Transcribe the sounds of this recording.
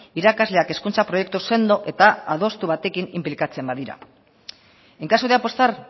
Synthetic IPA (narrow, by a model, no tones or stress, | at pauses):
iɾakazle̞ake̞skunt͡sapɾo̞je̞k̚t̪use̞nd̪o̞ʔe̞t̪aaðo̞st̪uβ̞at̪e̞kinimplikat͡se̞mbaðiɾa̰ | eŋkasoðeapo̞st̪ar